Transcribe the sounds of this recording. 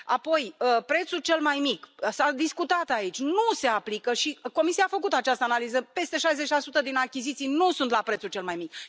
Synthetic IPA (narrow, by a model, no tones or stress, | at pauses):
a̰po̞jəpɾe̞t̪sult͡ʃe̞lmajmiksad̪iskut̪at̪ait͡ʃʲnuse̞aplikəʃiko̞misiaːfəkut̪at͡ʃast̪əanalizəpe̞st̪e̞ʃajze̞t͡ʃʲlasut̪əd̪inakʲizit̪sijnusunt̪lapɾe̞t̪sult͡ʃe̞lmajmik